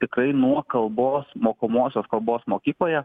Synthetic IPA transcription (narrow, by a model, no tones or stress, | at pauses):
t̪ʲɪkɾɐɪnuɔkɐlˠboːsmoːkomoːsʲoːskɐlˠboːsmoːkʲiːlˠoːjɛ